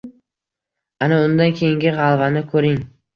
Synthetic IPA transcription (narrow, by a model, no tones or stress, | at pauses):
anaʊnd̪ankʲʰe̞jɪŋɡʲɪʁɑlˠvanɪkʰɵɾɪŋ